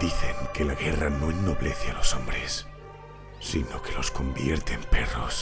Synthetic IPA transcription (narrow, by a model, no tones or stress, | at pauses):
d̪̥iθe̞ŋke̞laɣeranoenno̞βleθealo̞sombɾesː | ino̞kelo̞sko̞mbjeɾt̪emperos